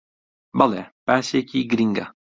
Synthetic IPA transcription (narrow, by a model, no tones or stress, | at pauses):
balɛpæːsekiɡɾiŋɡa